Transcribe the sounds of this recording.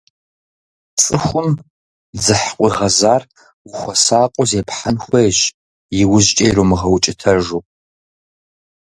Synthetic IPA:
t͡sʼɨxʷʊm | d͡zɨħqʷʼiʁɐzaːr | wxʷɔsaːqʷʼɔzeːpħanxʷejɕ | jɪwʊʑt͡ʃʼejɾomɨʁɐwt͡ʃʼɪtʰɐʒuː

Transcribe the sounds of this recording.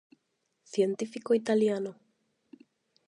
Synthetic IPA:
θjent̪ifikoit̪aljano

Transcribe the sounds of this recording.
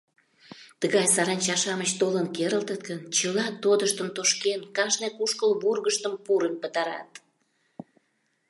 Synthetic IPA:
t̪əɣɑjsɑɾɑnʲt͡ɕɑʃɑmət͡ɕt̪olənkeɾəlt̪ət̪̚kənt͡ɕəlɑt̪od̪əʃt̪əmt̪oʃkenkɑʃnekuʃkəlburɣəʃt̪əmpuɾəmpət̪ɑɾɑ̰t̪

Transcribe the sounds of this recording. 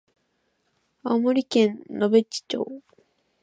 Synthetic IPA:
amoɾʲikẽnnobet͡ɕːi̥t͡ɕo̰ː

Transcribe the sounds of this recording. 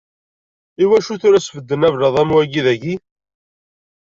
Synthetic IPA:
iwæʃuθʊɾæsfəd̪ːənævɾɑðˤæmwæɡiðæʝi

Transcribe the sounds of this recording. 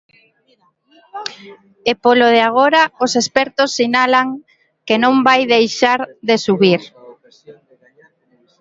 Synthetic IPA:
epoloðeaɣ̞oɾaosespɛɾt̪osːinalaŋ | kenõmbajðejʃaɾðesuβiɾ

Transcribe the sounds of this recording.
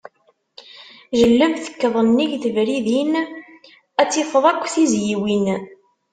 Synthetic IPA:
ʒəlːəmθə̥kːðˤənːiʝθəvɾiðin | æt͡sːifəðˤækʷːθizjiwin

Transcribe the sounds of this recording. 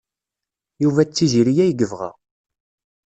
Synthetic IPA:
juvæt͡sːiʒiɾijæjɡəvʁæ̰ʁ

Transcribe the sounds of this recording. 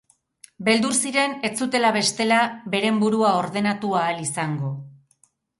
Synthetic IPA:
be̞ld̪uɾsiɾe̞ne̞t͡sut̪e̞laβe̞st̪e̞labe̞ɾe̞mbuɾuao̞ɾð̞e̞nat̪uaːlisaŋɡo̞

